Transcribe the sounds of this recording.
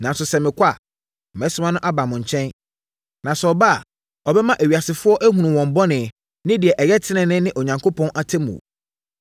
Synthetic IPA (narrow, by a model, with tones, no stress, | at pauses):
nã˨n˦sʊ˨sɛ˨mɪ̃˨kʷʰa˦˨ | m˨ɛ˨˦sʊ˦mã˦nʊ̃˦ʔa˦ba˨mʊ̃˨ɲ˨t͡ɕʰɛ̃˦n | nã˨sɔ˨ba˦a˨ | ɔ˨bɛ˦mã˦ʔæ˨ɥi˨a˨sɪ˨fʊ˦ɔ˦ʔæ˦ɦũ˨nũ˨wɔ̃˨m˨bɔ˦nɪ̃˨ | nɪ̃˦dɪ˨ɛ˨ʔɛ˨jɛ˦tʰɪ˦nɪ̃˨nɪ̃˦nɪ̃˦ʔo˨ɲã˨ŋkʰo˦pʰɔ̃˦nʔa˦tʰɛ˦mṵ̃˨